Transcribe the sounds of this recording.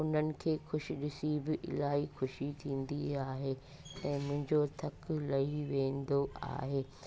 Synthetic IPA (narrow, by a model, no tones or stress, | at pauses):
ʊn̤ənɪ̆kʰeːxʊʃɪɗɪsibɪʔɪ̰laːɦixʊʃit̪ʰĩːnd̪iaːɦeː | ɛ̃ːmʊ̃ɦɪ̃ɲd͡ʑot̪ʰɐklɐɦiʋẽːnd̪oa̰ːɦeː